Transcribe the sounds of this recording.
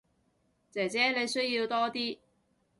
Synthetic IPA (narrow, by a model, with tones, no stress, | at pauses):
t͡sɛː˨˩t͡sɛː˨˥le˨˧jsɵ˥ɥjiː˧wt̪ɔː˥t̪iː˥